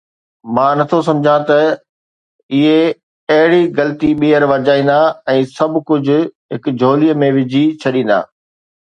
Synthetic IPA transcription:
mãːnɐt̪ʰosɐ̃md͡ʑʱãt̪ɐ | ɪɦe | ɐɦɪɽiɡɐlt̪iɓiːəɾʋɐɾd͡ʑaːĩːn̆d̪aɛ̃ːsɐbkʊd͡ʑʱʊ̆ɦɪkd͡ʑʱoːlijəmẽʋɪd͡ʑʱit͡ɕʰɐɗĩːn̆d̪a̰ː

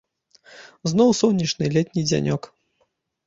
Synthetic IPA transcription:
znɔwsɔwnʲit͡ʂnɨlʲɛt̪ʲnʲid͡zʲa̰nʲɔk

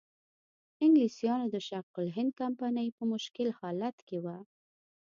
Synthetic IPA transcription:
ɪŋɡlisjɑnod̪əʃaqʊlɦɪnd̪̚kampɑnəjpəmʊʃkɪlhɑlat̪kewa

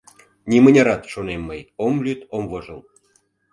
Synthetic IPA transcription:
nʲimənʲɑɾɑt̪ʃonemːəjomlʲyt̪omvoʒəl

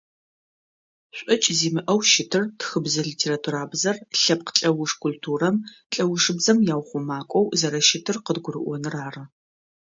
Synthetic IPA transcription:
ɕʷʼɔt͡ʃʼziːmɨʔɐwʃɪtʰɨrtxɨbzɨɮitʰeːratʰuɾaːbzɐrɬɐp̚qə̥ɬʼɐwʊʂkʷʰultʰuːrɐm | ɬʼɐwʊʂɨbzɐmjaːwχʷʊmaːkʷʼɔwzɐɾɐʃɪtʰɨrqədɡʷʊrɨʔʷɔnɨraːrɐ

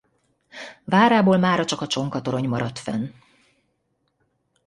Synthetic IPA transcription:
vaːɾaːboːlmaːɾɒt͡ʃɒkɒt͡ʃo̞ŋkɒt̪oɾo̞ɲmɒɾɒt̪fɛ̰n

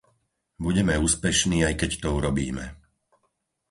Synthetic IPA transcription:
buɟɛmɛuːspɛʃniːajkɛct̪ɔuɾɔbḭːmɛ̰

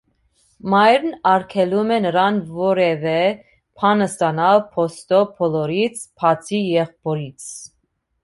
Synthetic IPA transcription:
mɑjɾnɑɾkʰɛlumɛnəɾɑnvɔɾɛvɛ | pʰɑnəst̪ɑnɑlpʰɔst̪ɔpʰɔlɔɾit͡sʰpʰɑt͡sʰijɛχpɔɾit͡sʰ

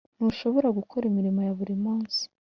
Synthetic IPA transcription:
nuʃo̞βo̞ɾaɡukʰo̞ɾimiɾimojaβuɾimuːnsi̥

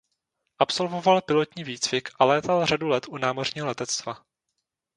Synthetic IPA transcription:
ʔapso̞lvo̞valpɪlo̞t̪ɲiːviːt͡svɪkʔalɛːt̪alr̝adulɛt̪ʔunaːmo̞rɲiːɦo̞lɛt̪ɛt͡st̪va

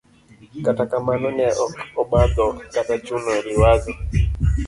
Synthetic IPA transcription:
katakamanɔnɛʔɔkɔɓadɔkatat͡ʃunɔɾiwazɔ

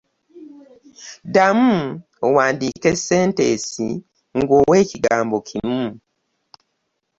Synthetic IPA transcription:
damu | owaːndike̞se̞ːnteːsḭ | ŋɡoːwe̞ːciɡaːmbo̞cʰimu

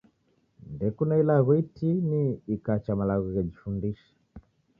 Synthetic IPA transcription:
ndɛkunailaɣɔitiniːkat͡ʃamalaɣɔɣɛd͡ʒifundiʃɛ̥

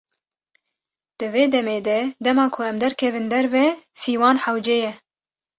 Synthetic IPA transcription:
d̪̥ɨveːd̪ɛmeːd̪ɛd̪ɛmɑːkʰʊɛmd̪ɛɾkʰɛvɨnd̪ɛɾvɛsiːwɑːnħawd͡ʒeːjɛ

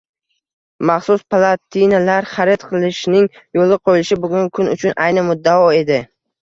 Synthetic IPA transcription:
maχsʊspʰlˠat̪ʰinalaɾχaɾɪt̪qʰɨlˠɪʃnɪŋ | jolˠɪqʰojɪlɪʃɪbʊɡʲʊŋkʰʊnʊt͡ʃʰʊnʔajnɪmʊd̪ːaɒe̞d̪ɪ

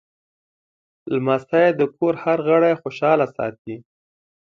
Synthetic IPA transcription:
lmast̪ajed̪əkoɾhaɾɣəɽajxoʃɑlasɑ̰t̪̚i

